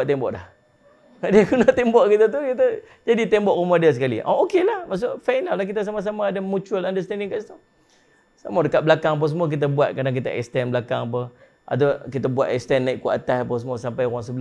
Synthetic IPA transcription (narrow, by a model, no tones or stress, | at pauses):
ʔt̪embɔʔdah | adikunaht̪embɔʔkit̪ət̪̬ukit̪̬ə | d͡ʒadit̪ɛmbɔʔrumahdias̬əkalḭʔa̰okelahmas̬ʊʔfajnalahk̬it̪əs̬amas̬amaːdamut͡ʃuəlandəst̪ɛndɪŋkaʔsit̪u | samadəkaʔ̪̚bəlakaŋap̬əsəmuak̬it̪̬əbuat̪̚kadaŋk̬it̪əʔɛ̰kst̪ɛnblaka̰ŋap̬ə | ʔa̰d̪akit̪əbuaʔ̪ɛkst̪ɛnːaiʔkuaʔat̪asapəsəmusampajwaŋs̬əbəl